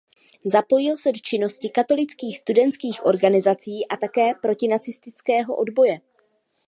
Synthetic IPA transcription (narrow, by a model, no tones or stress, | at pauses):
zapo̞jɪlsɛdot͡ʃɪno̞scɪkat̪o̞lɪt͡skiːxst̪udɛnt̪skiːxʔo̞̰ɾɡanɪzat͡siːʔat̪akɛːpɾo̞cɪnat͡sɪst̪ɪt͡skɛːɦo̞̰ʔo̞dbo̞jɛ